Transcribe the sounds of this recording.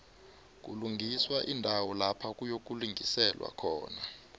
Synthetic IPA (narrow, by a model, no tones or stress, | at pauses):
k̬uluŋɡʱiswaʔindʱawɔlapʰak̬ʼujok̬uliŋʱisɛlwa̰kʰɔ̰ːna